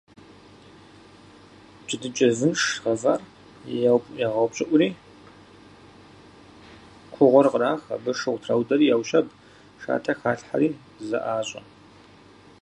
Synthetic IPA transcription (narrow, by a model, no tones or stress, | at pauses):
d͡ʒʼɪdɨt͡ʃʼɐvɨnʂʁɐvaːr | jawjaːʁɐwpɕʼɪʔʷʊɾiː | kʷʰʊʁʷɔrqəɾaːxɐ̰bɨʂɨʁʷtʰrawdɐɾiːjawɕɐb | ʂa̰ːtʰɐxaːɬħa̰ɾiː | zɐ̰ʔaːɕʼɐ̰n